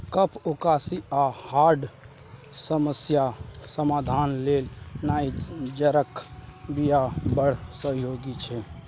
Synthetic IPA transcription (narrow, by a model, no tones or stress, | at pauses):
kəpʰokaːsiahaːɾɖ | səməsjasəmaːd̪ʱaːnleːlnaːid͡ʒəɾəkbijabəɽ̤səɦjoːɡit͡ʃʰɛ